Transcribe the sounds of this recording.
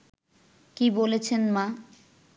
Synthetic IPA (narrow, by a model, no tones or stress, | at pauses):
kibolet͡ɕʰenma